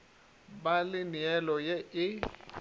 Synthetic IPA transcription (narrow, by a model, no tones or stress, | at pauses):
balɪniɛlɔjeʔɪ